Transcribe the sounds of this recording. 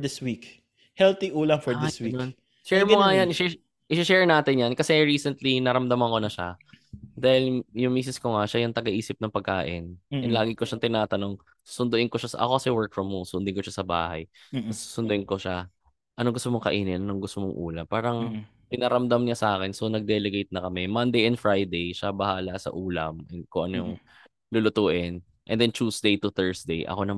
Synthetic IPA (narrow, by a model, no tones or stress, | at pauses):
d̪ɪswik | hɛlt̪iʔuːlɐfɔɹɪswin | ʃɛɹmoŋajanɪʃɛ | ʔɪʃʃɛɹnaːt̪ɪnjankɐsɛɹiːsɛnt̪linɐɾɐmd̪ɐmɐŋko̞nɐʃa̰d̪aːhɪljʊŋmiːs̬ɪskoŋaʃajʊŋt̪ɐɡɐʔiːsɪp̚nɐŋpɐɡ̚ka̰ːʔɪ̰nɛlaːɡɪko̞ʃaŋt̪ɪnaːt̪ɐno̞ŋ | su̥sʊnd̪ʊʔɪŋkoʃasʔɐ̰kokɐsɛwɛɹk̚fɹɐmːosʊnd̪ɪŋkoʃasɐba̰ːha̰jsu̥sʊnd̪ʊʔɪnkoʃa | ʔɐnoŋɡʊst̪omoŋkɐ̰ʔiːnɪnʔɐnoŋɡʊst̪omoŋʔṵːlɐpaːɾɐŋ | p̪ɪnɐɾɐmd̪amɲasɐʔaːkɛnso̞nɐɡ̚d̪ɛlɛɡejt̪̚nɐkɐmɛmɐnd̪ejʔɛnd̪fɹajd̪ejʃabɐhaːlɐsɐ̰ʔuːlɐmʔɛkoʔɐnojʊŋ | lʊlʊt̪uːʔɪn | ʔɛnd̪ɛnt͡ʃuːsd̪ejt̪ʊθɛɹsd̪ejʔɐ̰ko̞nɐ